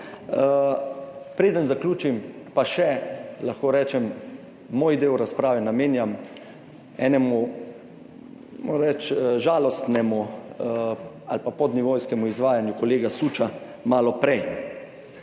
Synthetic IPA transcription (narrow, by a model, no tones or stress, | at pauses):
pɾeːd̪ənzaklʲuːt͡ʃimpaʃɛlaxkoːɾɛːt͡ʃɛmː | oːjd̪eːwɾaspɾaːʋɛnameːnjam | ɛ̰ːnɛmu | mo̰ɾɾɛt͡ʃʒaːlɔst̪nɛmu | a̰lpapɔd̪nɛʋoːjskɛmuizʋaːjanjukɔleːɡasuːt͡ʃa | maːlɔpɾɛj